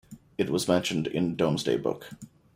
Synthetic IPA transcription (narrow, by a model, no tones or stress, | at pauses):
ɨt̚wʌzmɛ̃nʃɨ̃n̩dɪ̰̃ndõʊ̃mzdḛɪbʊ̰k